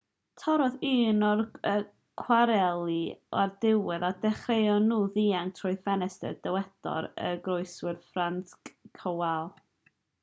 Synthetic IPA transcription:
tʰɔɾɔðiːnɔrə | kʰwaɾɛlˠiardɪwɪðadɛχrejɔnːuːðiːaŋtʰrʊɨfɛnɛstə̰d̥əwɛdɔ̰ɾə̰ɡrʊjswɪrfrantkkʰəwalˠ

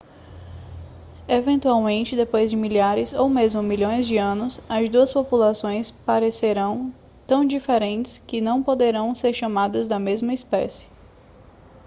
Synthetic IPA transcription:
evẽnt̪uawmẽnt͡ʃɪd̪epojzd͡ʒɪmiʎaɾɪzowmezmʊmiʎõj̃zd͡ʒɪɐ̃nʊsɐzd̪uɐspopulasõj̃spaɾeseɾɐ̃w̃ | t̪ɐ̃w̃d͡ʒifeɾẽnt͡ʃɪ̥skɪnɐ̃w̃pod̪eɾɐ̃w̃seɾʃɐmad̪ɐzd̪ɐmezmɐispɛsɪ̥

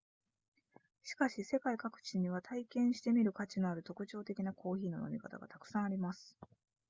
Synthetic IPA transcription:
ɕi̥kaɕise̞kaikakɯ̟̥t͡ɕiɲ̟iβ̞at̪ʰaikẽ̞ɰ̃ɕi̥t̪e̞mʲiɾɯ̟kat͡ɕino̞aɾɯ̟t̪o̞kɯ̟t͡ɕo̞ːt̪e̞kʲinakʰo̞ːçiːno̞no̞mʲikat̪a̰ɡa̰t̪akɯ̟̥sãaɾʲimasɨ̥

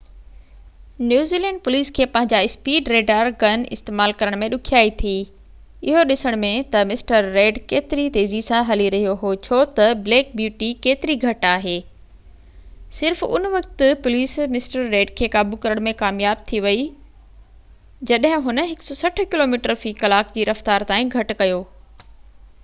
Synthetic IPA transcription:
njuːziːlɛ̃ːɳɖ̚pʊliːskʰeːpɐ̃ɦɪ̃ɲd͡ʑaɪspiːɖɾeːɖaːɾɡɐnɪ̰st̪eːmaːlkɐɾəɽ̃mẽɗʊkʰijaːit̪ʰiː | ɪɦoɗɪsəɽ̃mẽt̪ɐmɪsʈəɾːeːɖkeːt̪ɪɾit̪eːzisãɦɐliɾɐɦijoɦot͡ɕʰoːt̪ɐbleːk̚bjuːʈikeːt̪ɪɾiɡʱɐʈaːɦeː | sɪɾfʊ̰nʋɐk̚t̪ʊpʊliːsmɪsʈəɾːeːɖkʰeːkaːbukɐɾəɽ̃mẽkaːmjaːb̚t̪ʰiʋɐi | d͡ʑɐɗɦɪ̃ɦʊnə̆ɦɪksɔsɐʈ̆ʰkɪloːmiːʈəɾfiːkɐlaːkd͡ʑiːɾɐft̪aːɾt̪aːĩɡʱɐʈ̆kɐjoː

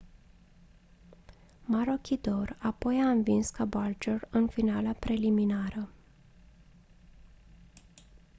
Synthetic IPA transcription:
maɾo̞kʲʰid̪o̞rapo̞jaɨnvinskabald͡ʒorɨnfinalapɾe̞liminaɾə

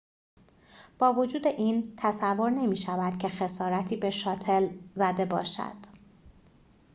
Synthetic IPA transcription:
b̥ɒːvo̞d͡ʒuːd̪e̞ʔiːnt̪ʰæsævːo̞ɾne̞miːʃævæd̪̥cʲʰexe̞sɒːɾæt̪ʰiːbe̞ʃɒːt̪ʰe̞lzæd̪e̞bɒ̰ːʃæ̰d̪̥

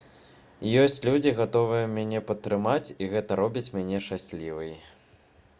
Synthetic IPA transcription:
jɔsʲt͡sʲlʲud͡zʲiɣat̪ɔvɨjɐmʲanʲɛpɐt̪ːɾɨmat͡sʲiɣɛt̪ɐɾɔbʲit͡sʲmʲanʲɛʂt͡ʂasʲlʲivɨj

